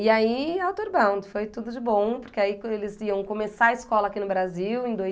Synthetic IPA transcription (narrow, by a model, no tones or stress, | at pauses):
ɪaiawt̪oɾbɐ̃w̃d̪ɪfojt̪ud̪ʊd͡ʒɪbõpoɾkeaikelɪziɐ̃w̃kõmesaɐɪskɔlɐakinʊbɾaziwẽj̃d̪o